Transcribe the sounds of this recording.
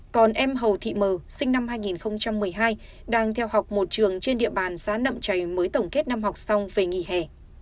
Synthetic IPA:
kɔ˨˩nʔɛ˧mɦə˨˩wt̪ʰḭ˧˨məː˨˩sï˧ŋ̟na˧mɦaː˧jŋi˨˩nxə˧wŋ͡mt͡ɕa˧mːɨ˨˩əjɦaː˧j | ɗaː˧ŋt̪ʰɛ˧wha˨˩wk͡p̚mo˨˩t̚t͡ɕɨ˨˩əŋt͡ɕe˧nɗḭ˧˨əɓaː˨˩nsaː˨˥nə̰˧˨mt͡ɕa˨˩jməː˨˦jt̪ə˨˩wŋ͡mke˦˥t̚na˧mɦa˨˩wk͡p̚sa˧wŋ͡mve˨˩ŋi˧˩hɛ˧˩

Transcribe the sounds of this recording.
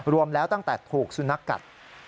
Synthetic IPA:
ɾu˧əmlɛː˦˥wt̪a˥˩ŋt̪ɛː˨˩t̪ʰuː˨˩k̚su˧˥na˦˥kːa̰˨˩t̪̚

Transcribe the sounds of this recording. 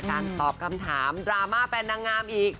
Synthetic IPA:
kaː˧nt̪ɔː˨˩p̚kʰa˧mt̪ʰaː˩˦mdɾaː˧maː˥˩pe˧nːa˧ŋːaː˧mʔiː˨˩k̚

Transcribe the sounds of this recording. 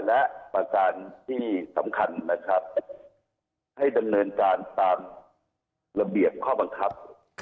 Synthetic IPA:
lɛ˦˥ʔpa˧kaː˧nt̪ʰiː˥˩sa̰˩˦mkʰa˧nːa˦˥kʰɾa˦˥p̚ | ha˥˩jda˧mnɤː˧nkaː˧nt̪aː˧m | la˧bi˨˩əp̚kʰɔː˥˩ba˧ŋkʰa˦˥p̚

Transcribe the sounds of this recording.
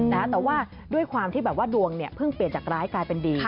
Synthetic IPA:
n˦˥t̪ɛː˨˩waː˥˩ | du˥˩əjkʰwaː˧mt̪iː˥˩bɛː˨˩p̚waː˥˩du˧əŋni˥˩ɐpʰɯ˥˩ŋpli˨˩ənt͡ɕaː˨˩k̚ɾaː˦˥jklaː˧jpe˧ndiː˧

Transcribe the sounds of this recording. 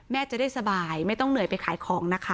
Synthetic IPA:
mɛː˥˩t͡ɕa˨˩daː˥˩jsa˧baː˨˧jma˥˩jt̪ɔ˥˩ŋnɯ˨˩əjpa˧jkʰaː˨˦jkʰɔː˩˦ŋna˦˥kʰa˦˥

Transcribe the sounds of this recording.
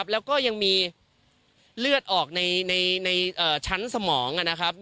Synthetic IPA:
p̚lɛː˦˥wkɔː˥˩ja˧ŋmiː˧ | lɯ˥˩ət̪̚ʔɔː˨˩k̚na˧jna˧jna˧jʔɤː˨˩t͡ɕʰa˦˥nsa˧mɔː˩˦ŋʔa˨˩na˦˥kʰɾa˦˥p̚

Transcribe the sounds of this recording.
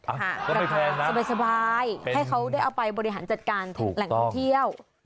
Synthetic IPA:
kʰa˥˩ɾʰɛː˧sa˧baː˧jsa˧baː˧jha˥˩jkʰa˦˥wda˥˩jʔa˧wpa˧jbɔː˧ɾi˧ɦaː˩˦nt͡ɕa˨˩t̪̚kaː˧nʰː˨˩la˩˦ŋt̪ʰŋt̪ʰi˥˩əw

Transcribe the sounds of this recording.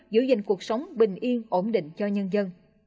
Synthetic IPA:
zɨ̰˧˩˦zï˧˨ŋ̟ku˨˩ək̚sə˨˦wŋ͡mɓï˨˩ŋ̟ʔi˧əŋʔo˧˩mɗḭ̈˧˨ŋ̟t͡ɕɔ˧ɲə˧nzə˧n

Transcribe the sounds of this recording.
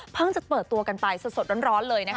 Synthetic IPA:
pʰɤ˥˩ŋt͡ɕa˨˩pɤː˨˩t̪ːu˧ɐka˧npa˧jso˨˩so˨˩t̪̚ɾo˦˥nɾɔː˦˥nlɤː˧jna˦˥k

